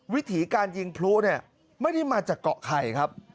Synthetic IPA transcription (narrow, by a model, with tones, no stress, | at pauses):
wi˦˥t̪ʰiː˩˦kaː˧nji˧ŋpʰlu˦˥ʔni˥˩ɐ | ma˥˩jda˥˩jmaː˧t͡ɕaː˨˩kːɔ˨ʔkʰa˨˩jkʰa˦˥p̚